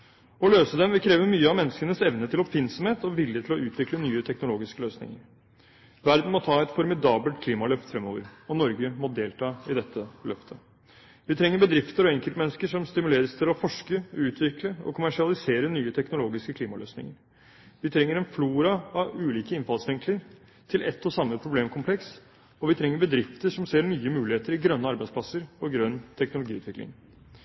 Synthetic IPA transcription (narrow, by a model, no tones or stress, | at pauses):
ɔløːsəd̪ɛmʋɪkʰɾeːʋəmyːəɑmɛnːəskənəsɛʋnət̪ʰɪlɔpɪnsɔmheːt̪ɔʋɪljət̪ʰɪlɔʔʉːt̪ʰʋɪklənyːət̪ʰɛknʊloːɡɪskəløːsnɪ̰ŋə̰ɾ | ʋæɾd̪n̩mɔt̪ʰɑːɛt̪fɔɾmɪd̪ɑːbəlt̪̚kʰliːmɑlœft̪fɾɛmoːʋəɾɔnɔɾɡəmɔd̪eːlt̪ʰɑːɪd̪ɛt̪ʰːəlœft̪ʰə | ʋɪt̪ʰɾɛŋːəɾbəd̪ɾɪft̪əɾɔɛŋkəlt̪əmɛnːəskəʂɔmst̪ɪmʉleːɾəst̪ʰɪlɔfɔʂkəʉːt̪ʰʋɪkləɔ̰kʰʊmæʂɪɑlɪseːɾənyːət̪ʰɛknʊloːɡɪskəkʰliːmɑløːsnɪ̰ŋəɾ | ʋɪt̪ʰɾɛŋːəɾɛnfluːɾɑɑʉːliːkəɪnfɑlsʋɪŋkləɾ | t̪ʰɪlʔɛt̪ːɔsɑmːəpʰɾʊbleːmkʰʊmpʰlɛks | ɔʋɪt̪ʰɾɛŋːəɾbəd̪ɾɪft̪əʂɔmseːɾɳyːəmʉːlɪheːt̪əɾɪɡɾœnːəɑɾbæɪsplɑsəɾɔɡɾœnːt̪ʰɛknʊlʊɡiːʉt̪ʋɪklɪ̰ŋ